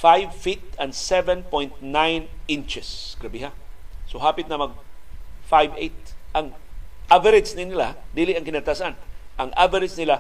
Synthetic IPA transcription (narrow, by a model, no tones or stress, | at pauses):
fajvfit̪̚ɐnd̪sɛvɛ̃npojnt̪̚najnɪnt͡ʃɛsɡ̥ɾɐbɪɦasoɦaːpɪt̪̚nɐmɐɡ̚fajvejt̪̚ʔɐŋʔavɛɾɪd̪snɪnɪlad̪iːlɪʔɐŋkɪnɐt̪asanʔɐŋʔa̰vɐɾɪsnɪla